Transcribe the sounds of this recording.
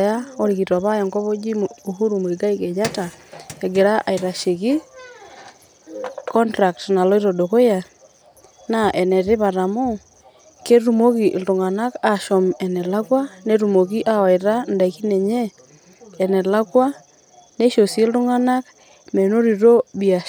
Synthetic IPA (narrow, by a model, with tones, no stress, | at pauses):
jao˦ɾiki˨twa˨βa˦ja˨ŋko˦βo˦d͡ʒi˦oɦu˦ɾumu˨ika˦iked͡ʒa˦taeɡe˨ɾaʔa˨iɾa˨ʃe˨ɣi˦ | kɔ˦ntɾa˨k̚tna˨lo˦i˦ɾodo˨ko˦ja | naʔɛ˨nɛ˨ɾi˦βa˨ɾa˨mo˦ | ke˦ɾumoki˨ʔldu˨ŋa˨na˦ka˨ʃɔ˨mɛnɛ˨la˦kwa˦neɾumo˨ki˦ʔaa˨iɾa˦nda˨ki˦nɛ˨ɲɛː˦ | nɛ˨la˦kwa˦ | ne˦ʃo˨sie˦lɾu˦ŋa˦nak | mɛ˨no˦ɾiɾo˦βia